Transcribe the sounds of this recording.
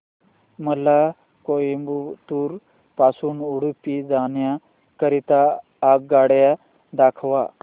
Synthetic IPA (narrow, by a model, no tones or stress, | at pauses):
məla | kojimbut̪uːɾ | pasuːnuɽupid͡zaɳja | kəɾit̪aː | ɡ̚ɡaɽja | d̪akʰʋa